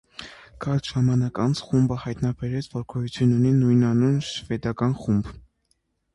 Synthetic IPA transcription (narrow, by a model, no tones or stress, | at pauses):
kʰɑɾt̪ʒɑmɑnɑkɑnt͡sʰχumbəhɑjt̪nɑbɛɾɛt͡sʰvɔɾkʰɔjut͡sʰjununinujnɑnunʃvɛd̪ɑkɑnχumb